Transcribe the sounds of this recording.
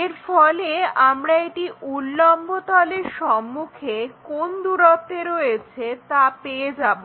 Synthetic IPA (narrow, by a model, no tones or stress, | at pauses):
eɾfɔleamɾaeʈiulːɔmbʱot̪ɔleɾʃɔmːukʰekond̪uɾot̪ːeɾojet͡ɕʰet̪apeed͡ʑabo